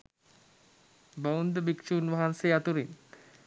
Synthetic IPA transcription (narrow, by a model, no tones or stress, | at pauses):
bəund̪əbikʃunʋaɦanseat̪uɾin